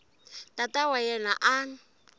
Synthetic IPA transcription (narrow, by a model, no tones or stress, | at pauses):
tʼatʼawajɛna̰ʔaŋ̩